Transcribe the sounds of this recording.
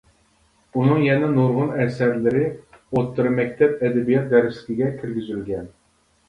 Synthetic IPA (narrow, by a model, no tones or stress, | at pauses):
unɨŋjɛnɛnoɾʁʊnɛsæɾlɪɾɪ | ot̪ʰːɨɾɨmɛkʲt̪ʰɛp̚ɛd̪ɛbijɛt̪̚d̪ɛɾɪslɪ̥kʲiɡʲɛkʲʰɪɾɡʲyzylɡʲɛn